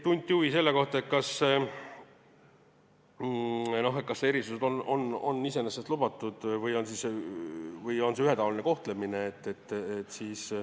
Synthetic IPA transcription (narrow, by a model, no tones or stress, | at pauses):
t̪unʲt̪ʲːˑiuvise̞lːeko̞ht̪ɑet̪̚kɑs | no̞ɦet̪kɑsːe̞ɾisused̪onono̞̰nːise̞nesːest̪lub̥ɑt̪ːˑud̪̥vɯjo̞nsise | vɯjo̞nse̞yɦe̞t̪ɑvɑline̞ko̞ht̪lemineːt̪ːe̞t̪ːet̪ːsiːs